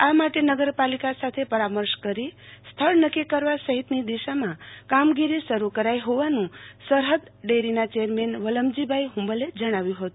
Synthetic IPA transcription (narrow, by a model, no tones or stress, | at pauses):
amaʈenəɡəɾpalikasat̪ʰepəɾaməɾʃkəɾist̪ʰəɭnəkːikəɾʋasəɦit̪nid̪iʃamãkamɡiɾisəɾukəɾajɦoʋanũsəɾɦəd̪ɖeɾinat͡ʃejəɾmenʋələmd͡ʒibʱaiɦũmbəled͡ʒəɽ̃aʋjũɦət̪u̥